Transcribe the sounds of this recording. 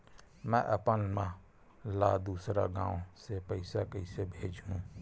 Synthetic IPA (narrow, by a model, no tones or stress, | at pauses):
mɛ̃ːʔəpənmã | laːd̪uːsɾaɡãːʋosepəɪsakəɪsebʱeːd͡ʒɦũː